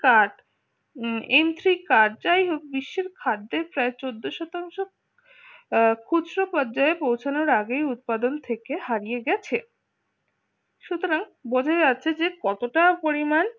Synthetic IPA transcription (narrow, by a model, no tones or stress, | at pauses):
kaɖ | emt̪ʰɾikaɖ̚d͡ʑajɦok̚biʃːeɾkʰaɖ̪d̪eɾpɾaet͡ɕod̪ːoʃɔt̪aŋʃo | kʰuɾopɔɾd͡ʑaepowt͡ɕʰanoɾaɡejut̪̚pad̪ont̪ʰekehaɾijeɡɛt͡ɕʰe | ʃut̪oɾaŋbod͡ʑʱaed͡ʑatːɕʰed͡ʑekɔt̪oʈapoɾiman